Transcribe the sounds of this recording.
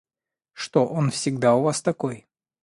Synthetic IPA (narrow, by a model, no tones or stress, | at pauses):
ʂt̪oʔonfsʲɪɡd̪aʊvast̪ɐko̞j